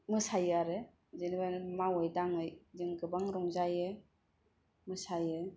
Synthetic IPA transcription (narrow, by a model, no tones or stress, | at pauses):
mɯsajaɾe | zenibanmawɯjdaŋɯjzɯŋɡɯbaŋɾɔŋzajɯ | mɯsaje